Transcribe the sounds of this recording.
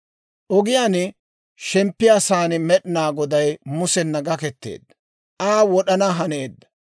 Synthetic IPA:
ʔɔɡɪjaːn | ʃɛmpːɪjasaːnɪmɛɗnaːɡɔd̪ɐjmʊsɛnːɐɡɐkɛt̪ːḛːd̪ːɐ̥ | ʔaːwɔɗɐnaɦɐne̞ːd̪ːɐ̥

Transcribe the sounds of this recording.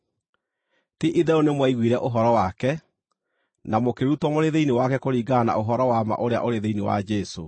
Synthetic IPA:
tiʔiðɛonemwaiɣwiɾɛʔoɦɔɾɔwakɛ | namokeɾutwɔmoɾeðeinewakɛkoɾiːɡana̰ʔoɦɔɾɔwama̰ʔoɾea̰ʔoɾeðeinewa̰d͡ʒɛso̰

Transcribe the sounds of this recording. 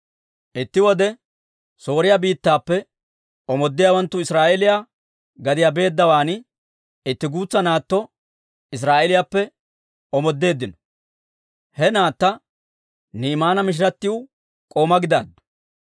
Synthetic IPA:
ʔɪt̪ːɪwɔd̪ɛ | so̞ːɾɪjabiːt̪ːaːpːɛ | ʔɔmɔd̪ːɪjawɐnt̪ːʊɪsɾaːʔɛlɪjaː | ɡɐd̪ɪjabe̞ːd̪ːɐwaːn | ɪt̪ːɪɡuːt͡sːɐnaːt̪ːɔ | ɪs̬ɾaːʔelɪjaːpːɛ | ɔmɔd̪ːe̞ːd̪ːɪnɔ | hɛnaːt̪ːɐ | niːmaːnɐmɪʃ̬ɪɾɐt̪ːɪjʊ | kʼo̞ːmɐɡɪd̪aːd̪ʊ̥

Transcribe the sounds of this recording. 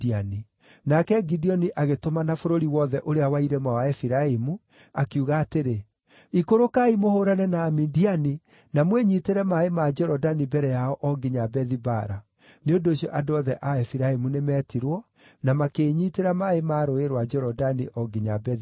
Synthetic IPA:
iani | nakɛɡidiɔniʔaɣetomanafoɾoɾiwɔðɛʔoɾeawaiɾɛmawaɛfiɾaemu | akiuɣaːteɾe | ikoɾokaimohoɾanɛnaːmindiani | namweɲiteɾɛmaemad͡ʒɛɾɔdanibɛɾɛjaɔʔɔɡiɲabɛðibaɾa | neondoːɕjɔʔadoɔðɛʔaɛfiɾaemunemɛːtiɾwɔ | namakeːɲiteɾamaemaːɾoeɾwad͡ʒɛɾɔdaniʔɔɡiɲabɛ

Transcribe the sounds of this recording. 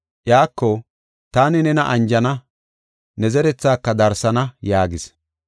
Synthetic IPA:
ʔjaːkːɔ | t̪aːnɪnɛnɐʔɐnd͡ʒɐnɐ | nɛzɛɾɛt͡sːaːkːɐd̪ɐɾsɐnɐjaːɡɪs

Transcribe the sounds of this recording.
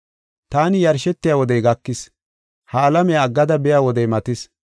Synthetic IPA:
t̪aːnɪjɐɾʃɛt̪ːɪjaːwɔd̪ɛjɡɐkːɪs | haːlɐmɛjaɡːɐd̪ɐbɛjaːwɔd̪ɛjmɐt̪ɪs

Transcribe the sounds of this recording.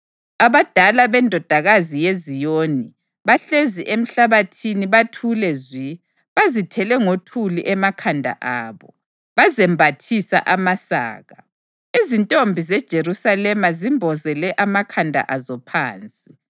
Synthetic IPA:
aβad̥ʱalaβɛndʱɔd̥ʱaɣazijezijoːni | βaɬeziʔem̩ɬaβatʰiniβatʰulɛzwi | βazitʰɛlɛŋotʰuliʔɛmakʰandʱa̰ʔaːβɔ | βazɛmbʱatʰisa̰ʔamasa̰ːɣa | izintʼombʱizɛd̥ʒ̥ʱerusalɛmazimbʱɔzɛlɛʔamakʰandʱa̰ʔazɔpʰa̰ːnt͡sʼi

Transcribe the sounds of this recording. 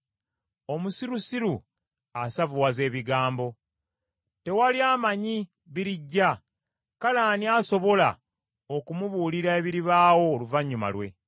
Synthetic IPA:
o̞musiɾusiɾu | asavuwaze̞ːβiɡaːmbo̞ | te̞waliaːmaɲi | βiɾiɟːa | kalaːniaso̞βo̞la̰ | okumuβuːliɾae̞βiɾiβaːwo̞ːluvaɲːuma̰lwe̞̰

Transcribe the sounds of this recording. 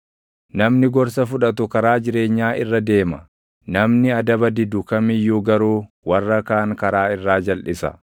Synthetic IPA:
nɐmnɪɡɔɾsɐfʊᶑɐt̪ʊkɐɾaːd͡ʒɪɾe̞ːɲːaːʔɪrːɐd̪e̞ːmɐ | nɐmnɪɐd̪ɐbɐd̪ɪd̪ʊkɐmɪjːʊɡɐɾuː | wɐrːɐkaːŋkɐɾaːɪrːaːd͡ʒɐlʔɪsɐ̰

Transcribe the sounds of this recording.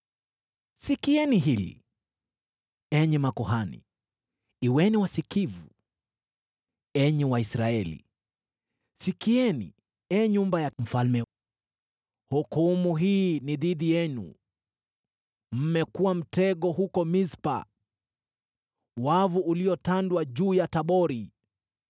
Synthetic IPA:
sikiɛniɦilḭ | ɛɲɛmakɔɦanḭ | iwɛniwasikivu | ɛɲɛwaisɾaɛlḭ | sikiɛnḭ | ɛːɲumbajam̩falmɛ | hukumuɦiːniðiðijɛnṵ | m̩mɛkuwam̩tɛɠɔhukɔmispa̰ | wavuʔuliɔtandwaʄuːjataɓɔɾi

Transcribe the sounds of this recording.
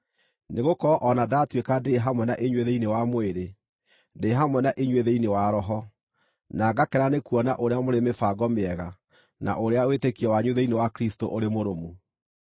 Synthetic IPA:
neɣokɔʔɔnadatwekadeɦamwɛnaʔeɲweðeinewamoeɾe | ndeɦamwɛnaʔeɲweðeinewaɾɔɦɔ | naɡakɛɾanekuɔnaʔoɾeamoɾemefaɡɔmeɛɣa | na̰ʔoɾeawetekiɔwaɲwuðɛinewakɾisto̰ʔoɾemoɾomu

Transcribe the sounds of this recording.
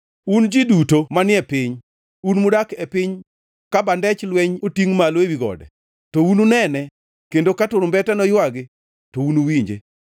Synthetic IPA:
und͡ʒidutomanɪɛpɪɲ | unmʊdakepɪɲ | kabandɛt͡ʃlweɲotiŋmalwewiɡɔ̰dɛ̰ | toununɛnɛ | kendokatʊɾʊmbɛtanɔjwaɡɪ | tounuwiɲd͡ʒḛ

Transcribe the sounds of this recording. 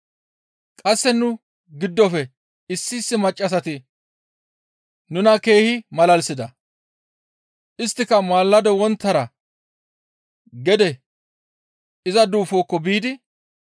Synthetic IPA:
kʼɐsːɛnʊ | ɡɪd̪ːɔfɛ | ɪsːiːsːɪmɐt͡ʃʼːɐs̬ɐt̪ɪ | nʊnɐke̞ːhɪmɐlɐlsɪd̪ɐ | ʔɪst̪ːɪkːɐmaːlːɐd̪ɔwɔnt̪ːɐɾɐ | ɡɛd̪ɛ | ɪzɐd̪uːfoːkːɔbiːd̪ɪ

